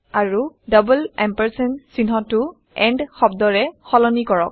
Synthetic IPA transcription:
aɹudɔbulɛmpɛɹsɛnsinɦɔtʊ | ɛndxɔbdɔɹɛxɔlɔnikɔɹɔk̚

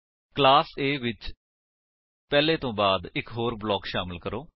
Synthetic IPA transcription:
klaːseːʋɪt͡ʃ | pɛːlẽːt̪õːbaːd̪ɪkɦoːɾblɔːkʃaːməlkəɾoː

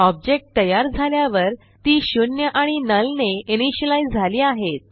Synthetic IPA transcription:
ɔb̚d͡ʑek̚ʈ̚t̪əjaɾd͡zʱaljaʋəɾ | t̪iːɕunjəʔaɽ̃inəlneiñiɕəlajd͡zʱaliːaɦet̪̚

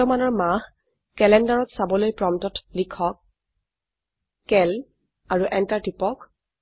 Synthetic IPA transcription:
ɔmanɔɹmah | kɛlɛndaɹɔtsabɔlojpɹɔmtɔtlikʰɔk̚ | kɛl | aɹuʔɛntaɹtipɔk

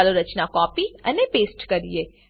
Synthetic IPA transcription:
loɾɐt͡ʃnakɔːpiɐ̰nẽpeːsʈkɐɾḭeː

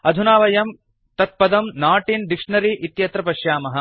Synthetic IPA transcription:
ɐd̪ʱunaːʋɐjɐm | t̪ɐt̪̚pɐd̪ɐmnaːʈind̪ikʂɳɐɾiːʔit̪jɐt̪ɾɐpɐʃjaːmɐɦɐ̆

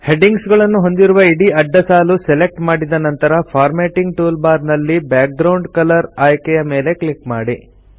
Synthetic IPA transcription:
he̞ɖiŋɡsɡɐɭɐnːuɦo̞nd̪iɾuʋɐiɽiɐɖːɐsaːlusele̞k̚ʈmaːɽid̪ɐnɐnt̪ɐɾɐpʰaːɾmeːʈiŋɡʈuːlbaːɾnɐlːibjaːk̚ɡɾɐwɳɖkɐlɐɾaːjkɛjɐmeːle̞kɭikmaːɽi

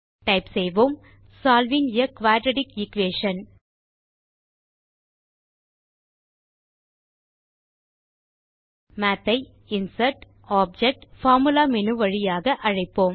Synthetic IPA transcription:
ʈɐɪpsɛjʋom | saːlʋɪŋɪjɐkʋaːɖɾɐɽɪkɪkʋeːʂɐn | maːt̪ːɐɪ | ɪnsɐɾʈ | aːp̚d͡ʒɛk̚ʈfaːɾmɯlaːmɛnɯʋɐɻɪjaːɣɐʔɐɻɐɪpːoːm

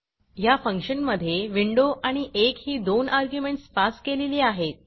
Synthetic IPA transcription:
jafəŋkʂənməd̪ʱjeʋiɳɖoʔaɽ̃iʔekhiːd̪onaɾɡjumeɳʈsfaskeleliːaɦet̪̚

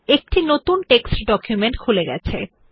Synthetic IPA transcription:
ek̚ʈinot̪unʈeksʈɖɔkjumeɳʈkʰuleɡɛ̰t͡ɕʰe

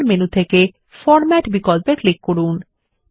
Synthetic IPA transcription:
ɾmenut̪ʰeke | fɔɾmɛʈbikɔlpeklikːoɽun

